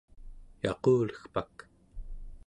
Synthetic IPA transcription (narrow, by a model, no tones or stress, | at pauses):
jɑ̰qoːlə̥xpak